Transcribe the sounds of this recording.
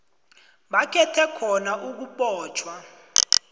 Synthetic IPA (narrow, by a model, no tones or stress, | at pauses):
ɓakʰɛtʰɛkʰɔnaʔuk̬uɓɔːt͡ʃʰwa